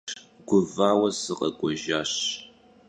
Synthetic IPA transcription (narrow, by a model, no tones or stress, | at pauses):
ɡʷʊvaːwɐsɨqʼɐ̰kʷʼɔʒaːɕ